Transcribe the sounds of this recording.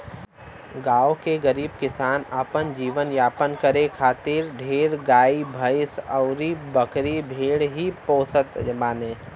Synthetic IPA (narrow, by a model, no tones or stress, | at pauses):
ɡaːokeɡəɾiːb̚kɪsaːnaːpənd͡ʒiːʋənjaːpənkəɾekʰaːt̪ɪɾɖʱeːɾɡaːibʱəɪsəʊɾibɐkɾibʱeːɽɦipoːsət̪maːnẽː